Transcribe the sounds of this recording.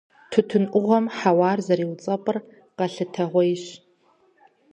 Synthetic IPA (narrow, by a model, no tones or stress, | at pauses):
tʰʊtʰɨnʔʷʊʁʷɔmħawaːrzɐɾiːwt͡sʼɐpʼɨr | qɐɬɨtʰɐʁʷɔjɕ